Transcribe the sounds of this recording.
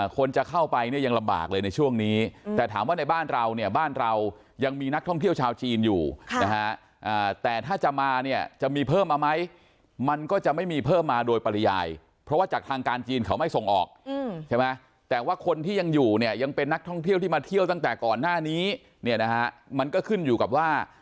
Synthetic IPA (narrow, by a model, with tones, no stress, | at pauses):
kʰo˧nt͡ɕa˨˩kʰa˥˩wpa˧jni˥˩ɐja˧ŋla˧mba̰ː˨˩k̚lɤː˧jna˧jt͡ɕʰu˥˩əŋniː˦˥t̪ɛː˨˩t̪ʰaː˩˦mwaː˥˩na˧jbaː˥˩nɾa˧wni˥˩ɐbaː˥˩nɾa˧w | ja˧ŋmiː˧na˦˥k̚t̪ʰɔ˥˩ŋt̪ʰi˥˩əwt͡ɕʰaː˧wt͡ɕiː˧njuː˨˩na˦˧˥kʰa˦˥ʔ | ʔaː˨˩t̪ɛː˨˩t̪ʰaː˥˩t͡ɕa˨˩maː˧ni˥˩ɐt͡ɕa˨˩miː˧pʰɤː˥˩mʔa˧ma˦˥j | ma˧nkɔː˥˩t͡ɕa˨˩ʔma˥˩jmiː˧pʰɤː˥˩mːaː˧doː˧jpa˧la˧ja̰ː˧j | pʰɾɔ˦˥waː˥˩t͡ɕaː˨˩t̪ʰaː˧ŋkaː˧nt͡ɕiː˧nkʰa˦˥wma˥˩jso˨˩ŋʔɔ̰ː˨˩k̚t͡ɕʰa˥˩jma˦˥j | t̪ɛː˨˩waː˥˩kʰo˧nt̪ʰiː˥˩ja˧ŋjuː˨˩ni˥˩əja˧ŋpe˧nːa˦˥k̚t̪ʰɔ˥˩ŋt̪ʰi˥˩wt̪ʰiː˥˩maː˧t̪ʰi˥˩əwt̪a˥˩ŋt̪ɛː˨˩kɔː˨˩nːaː˥˩niː˦˥ | ni˥˩na˦˥kʰa˦˥ʔma˧nkɔː˥˩kʰɯ˥˩njuː˨˩ka˨˩p̚waː˥˩